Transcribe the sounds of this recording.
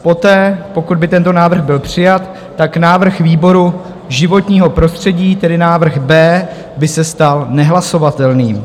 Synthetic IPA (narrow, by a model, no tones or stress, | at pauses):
po̞t̪ɛːpo̞kud̪̚bɪt̪ɛnt̪o̞naːvr̩ɣbɪlpr̝̥ɪjat̪ː | aknaːvr̩xviːbo̞ɾu | ʒɪvo̞t̪ɲiːɦo̞pɾo̞st̪r̝̥ɛɟiːt̪ɛdɪnaːvr̩xbɛː | bɪsɛst̪alnɛɦlaso̞vat̪ɛlniːm